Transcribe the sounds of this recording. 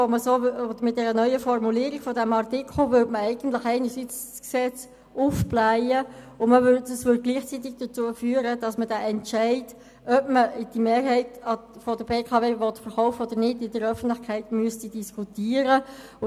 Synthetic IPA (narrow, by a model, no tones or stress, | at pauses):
oməsoːodəmɪt̚d̥ɛɾənœʏəfɔrmuliːɾɪɡ̥fɔdɛmɑʁtɪkʰl̩vʏtməæɪɡ̥ən̩tlɪxɛɪnəɹsit͡sksɛt͡s | ufblæɪə | ʊnməvʏdəsʋʏd̚ɡ̥liːχt͡sit̬ɪɡ̚d̥ət͡suːəfyːəɾəd̥ɑsmədɛʔɛntt͡ʃæɪt | œpməd̥imeːɾɦɛɪtɑfɔdəbeːkʰɑveːvɔtfəɾχɔʊfəodənɪdɪdəɾœfən̩tlɪχkʰæɪtmyəstidiskʰutiːəɾə | ʊ